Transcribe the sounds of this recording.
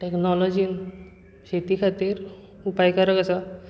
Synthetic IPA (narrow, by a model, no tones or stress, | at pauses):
ʈeknɔlɔd͡ʑin | ɕet̪ikʰat̪iɾ | upajkaɾəkəsa